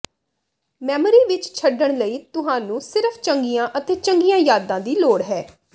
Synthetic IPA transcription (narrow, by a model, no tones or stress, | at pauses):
mɛːməɾiːʋɪt͡ʃt͡ʃʰəɖəɳ̃ləiːt̪ʊɦaːnũːsɪɾəpʰt͡ʃəŋɡijãːʔət̪eːt͡ʃəŋɡijãːjaːd̪ãːd̪iːloːɽɦɛː